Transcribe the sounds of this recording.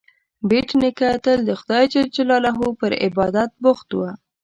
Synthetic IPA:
beʈnɪkat̪əld̪əxʊd̪ɑjt͡ʃad͡ʒalɑlaɦupəɾɪ̰bɑd̪at̪̚bʊxt̪wa

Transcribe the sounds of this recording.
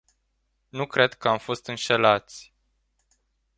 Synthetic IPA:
nukɾe̞d̪kəamfo̞st̪ɨnʃe̞lat̪sʲ

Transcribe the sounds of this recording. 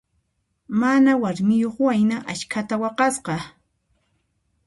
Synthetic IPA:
manawaɾmɪjoχwajnaʔat͡ʃkʰat̪awɑqɑsqɑ

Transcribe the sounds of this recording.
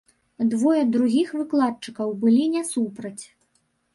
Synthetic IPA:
d̪vɔjɐd̪ɾuɣʲixvɨklˠat̪̚t͡ʂɨkɐwbɨlʲinʲɛsupɾɐt͡sʲ

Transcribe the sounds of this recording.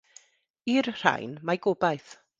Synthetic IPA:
irr̥a̰jnmaɡoːbajθ

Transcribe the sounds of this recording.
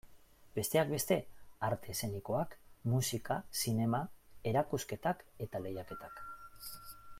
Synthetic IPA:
be̞st̪e̞ak̚be̞st̪e̞aɾt̪e̞se̞niko̞akmusikasine̞mae̞ɾakuske̞t̪ake̞t̪ale̞jake̞t̪ak

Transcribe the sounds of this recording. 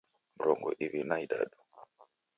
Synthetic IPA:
muɾɔŋɡɔ̰ʔiβinaiɗa̰ɗu̥

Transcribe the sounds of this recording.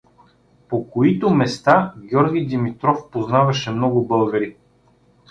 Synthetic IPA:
pokoit̪omɛst̪aɡʲjɔɾɡʲid̪imit̪ɾɔfpoznavɐʃɛmnɔɡʊbɤlˠɡɐɾi

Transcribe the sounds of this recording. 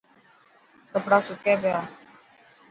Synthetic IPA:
kəpɾasukɛbea

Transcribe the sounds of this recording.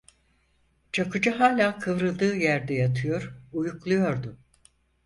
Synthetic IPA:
t͡ʃʰakɯd͡ʒaɦaːlʲaːkʰɯvɾɯlˠd̪ɯːjæɾd̪ɛjat̪ʰɯjo̞ɾujuklˠujo̞ɾd̪ʊ

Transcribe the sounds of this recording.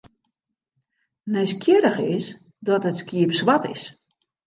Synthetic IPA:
nɛjskʰjɪɾəxɪs | dɔtətskjiəpsʋatɪ̰s

